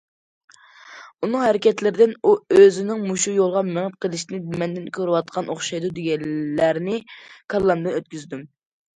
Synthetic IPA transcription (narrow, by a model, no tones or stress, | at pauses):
unɨŋhɛɾɪkʲɛt̪lɪɾɪd̪ɪnuøzɪnɪŋmuʃujolˠʁɑmeŋɪp̚qʰəlˠɪʃinɪmɛnd̪ɪnkʲʰøɾwɑt̪qʰɑnʔoχʃɑjd̪ud̪eɡʲɛlːæɾnɪkʰɑlˠːɑmd̪ɨnøt̪̚kʲyzd̪ym